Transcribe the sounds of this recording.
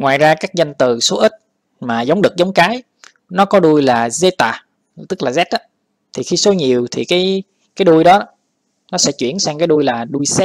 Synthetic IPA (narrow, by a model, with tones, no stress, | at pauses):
ŋwaː˨˩jzaː˧kaː˦˥k̚za˧jŋ̟t̪ɨ˨˩so˨˦ʔï˦˥t̚ | maː˨˩za˨˦wŋ͡mɗɨ˨˩k̚za˨˦wŋ͡mkaː˨˦j | nɔ˨˦kɔ˨˦ɗu˧əjlaː˨˩ze˧t̪aː˨˩ | t̪ɨ˦˥k̚laː˨˩zɛ˦˥t̚ʔa˨˦ | t̪ʰi˨˩xi˧so˨˦ɲi˨˩əwt̪ʰi˨˩kaː˨˦j | kaː˨˦jɗu˧jɗɔ˨˦ | nɔ˨˦sɛ̰˧˥t͡ɕwḭ˧˩ənsaː˧ŋkaː˨˦jɗu˧jlaː˨˩ɗu˧jsɛ˦˥